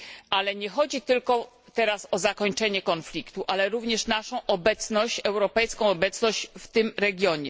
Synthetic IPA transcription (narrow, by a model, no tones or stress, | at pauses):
alɛɲɛxɔd͡ʑit̪ɘlkɔ | t̪ɛɾasɔzakɔɲt͡ʂɛɲɛkɔnflʲikt̪uʔalɛɾuvɲɛʂnaʂɔ̃w̃ʔɔbɛt̪snɔɕt͡ɕɛwɾɔpɛjskɔ̃w̃ɔbɛt̪snɔɕt͡ɕft̪ɘmɾɛɡʲjɔɲɛ